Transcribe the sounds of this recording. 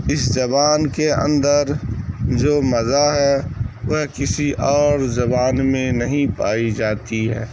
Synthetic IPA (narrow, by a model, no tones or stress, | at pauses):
ɪszɐbaːnkeə̰̃nd̪əɾd͡ʒoːmɐzaɦɛːʋɐɦkɪsiʔɔːɾzɐbaːnmẽnɐɦĩpa̰ːid͡ʒaːt̪iɦɛ̰ː